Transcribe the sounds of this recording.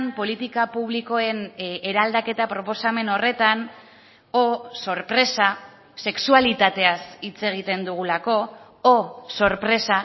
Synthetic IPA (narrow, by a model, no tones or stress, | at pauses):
mpo̞lit̪ikapuβliko̞e̞ne̞ɾald̪ake̞t̪apɾo̞po̞same̞no̞re̞t̪an | oso̞ɾpɾe̞sa | se̞ksualit̪at̪e̞asit͡se̞ɣ̞it̪e̞nd̪uɣ̞ulako̞ | oso̞ɾpɾe̞sa